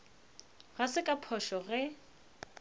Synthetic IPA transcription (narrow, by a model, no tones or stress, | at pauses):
ɣasɪkʼapʰɔʃɔɣɛ